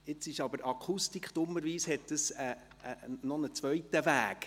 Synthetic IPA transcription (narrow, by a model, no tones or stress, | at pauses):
ɪt͡sɪʃɑbəɾʔɑkʰustikχd̥ʊməɾʋiːshɛt̚d̥əsɛ | nɔnət͡sʋœjtəvæːk